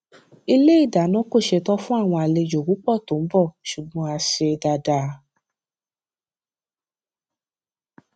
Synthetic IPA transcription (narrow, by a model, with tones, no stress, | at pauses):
i˧le˦i˦˨da˨˦nɔ̃˦ko˦˨ʃe˧tɔ˦fũ˦a˦˨w̃ɔ̃˧a˧le˧d͡ʒo˨ku˨˦k͡pɔ˦˨tõ˨˦bɔ˦˨ʃu˨ɡ͡bɔ̃˦a˧ʃe˧da˧da˧